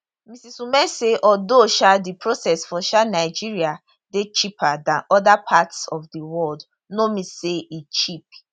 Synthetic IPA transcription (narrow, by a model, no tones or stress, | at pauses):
misisumɛseʔɔdoʃadipɹosɛsfɔʃanaɪd͡ʒiɹia | det͡ʃipʰadãnɔdapʰatsɔfdiwɔld | nomiseit͡ʃip̚